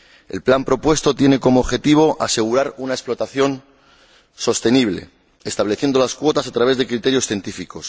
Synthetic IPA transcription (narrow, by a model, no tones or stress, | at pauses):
e̞̰lplampɾo̞pwe̞st̪o̞t̪jene̞ko̞moːβxe̞t̪iβ̞o̞ʔase̞ɣ̞uɾaɾunaesplo̞t̪aθjo̞n | so̞st̪e̞niβ̞le̞̰ | est̪aβle̞θje̞nd̪olaskwo̞t̪asat̪ɾaβezðe̞kɾit̪e̞ɾjosθje̞nt̪ifiko̞s